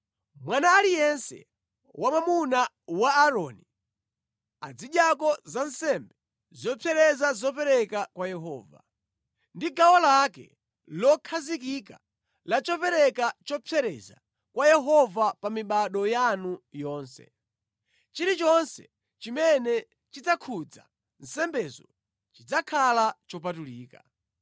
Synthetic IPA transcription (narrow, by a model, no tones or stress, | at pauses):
mwanaːlijɛnsɛ̰ | wʔamamuna | waːɾɔni | ad͡ziɗjakɔzansɛmbɛ | zɔpʰɛɾɛzazɔpɛɾɛkakwajɛɦɔ̰ːva̰ | ndiɡawalakɛ̰ | lɔkʰazikika̰ | lat͡ʃɔpɛɾɛkat͡ʃɔpʰɛɾɛ̰za̰ | kwajɛɦɔvapamiɓaɗɔjanujɔːnsɛ̰ | t͡ʃiɾit͡ʃɔnsɛ | t͡ʃimɛnɛ | t͡ʃid͡zakʰud͡za̰ | n̩sɛmbɛzɔ̰ | t͡ʃid͡zakʰalat͡ʃɔpatuliːka